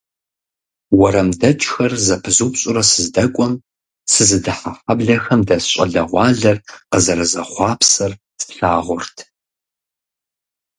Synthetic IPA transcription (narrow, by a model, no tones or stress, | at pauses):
wɐɾɐmdɐt͡ʃʼxɐrzɐpʰɨzuːpɕʼʊɾɐsɨzdɐkʷʼɔm | sɨzɨdɨħafɐbɮɐxɐmdɐsɕʼɐ̰ɮɐʁʷɑːɮɐrqəzɐɾɐzɐχʷɑːpʰsɐrsɬaːʁʷʊrtʰ